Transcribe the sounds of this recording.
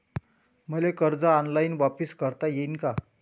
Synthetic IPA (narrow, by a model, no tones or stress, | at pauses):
məlekəɾd͡zaːnlainʋapiskəɾt̪ajeinka